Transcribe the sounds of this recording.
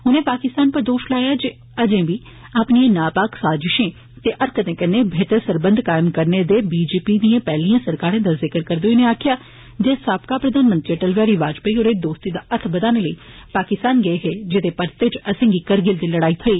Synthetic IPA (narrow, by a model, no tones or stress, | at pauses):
ɦʊnẽːpaːkɪst̪aːnpəɾd̪oːʃlaːjaːd͡ʒeː | əd͡ʒẽːbiː | aːpniẽːnaːpaːksaːzɪʃẽː | t̪eːʔəɾkət̪ẽːkənːeːbʱeːt̪əɾsəɾbə̃nd̪kaːɪmkəɾneːd̪eːbiːd͡ʒeːpiːd̪iãːpɛːlijãːsəɾkaːɾãːd̪aːzɪkəɾkəɾd̪oːiːneːaːkʰɪjaː | d͡ʒeːsaːpkaːpɾəd̪ʱaːnmənt̪ɾiʈəlʋjaːɾiːʋaːd͡ʒpəiːɦoːɾeːd̪oːst̪iːd̪aːʔət̪ʰbəd̪aːneːləiːpaːkɪst̪aːnɡəeɦeːd͡ʒɪt̪eːpəɾt̪et͡ʃəsẽːɡiːkəɾɡɪld̪iːləɽaːiːt̪ʰəiː